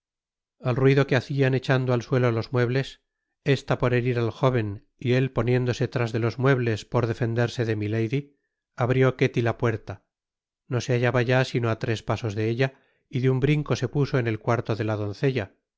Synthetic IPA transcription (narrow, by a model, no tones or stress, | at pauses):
alrwiðo̞keaθiane̞t͡ʃand̪oalswe̞lolo̞zmwe̞βle̞s | e̞st̪apo̞ɾe̞ɾiɾalxo̞β̞e̞n | ie̞lpo̞nje̞nd̪o̞set̪ɾazðe̞lo̞zmwe̞β̞le̞spo̞ɾðe̞fe̞nd̪e̞ɾse̞ðemile̞jði | aβɾjo̞ke̞t̪ilapwe̞ɾt̪a | no̞se̞aʝaβaʝasino̞at̪ɾe̞spaso̞zðe̞eʎa | iðeumbɾiŋko̞se̞puso̞ene̞lkwaɾt̪o̞ðe̞lað̞o̞n̟θe̞ʎa